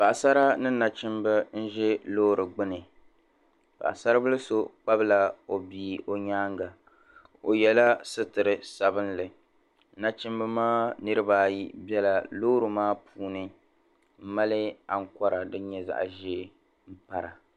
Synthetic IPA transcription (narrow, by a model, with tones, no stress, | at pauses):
pa˨ʔsa˦ɾa˦nɨ˦na˨t͡ʃɪ˦mbɨ˦n̩˦ʒɛ˦loː˦ɾɨ˨ɡ͡bɨ˦nɨ˨ | pa̰˨ʔsa˦ɾa˦bɨ˦lɨ˦so˦k͡pa˦bɨ˦la˦o˨biː˦o˦ɲaː˦ŋɡa˨ | o˨jɛ˨la˦sɨ˦tɨ˨ɾɨ˨sa˨bɨ˦nlɨ˨˦ | na˨t͡ʃɪ˦mbɨ˦maː˦nɨ˦ɾɨ˦baː˦˨ji˦bɛ˦la˨loː˦ɾɨ˨maː˦pʰuː˨˦nɨ˦ | m̩˦ma˦lɪ˦a˨ŋ̩˨ka˦ɾa˨dɨ˦ɲɛ˦za̰˨ʔʒe˦ | m̩˦pa˦ɾa˨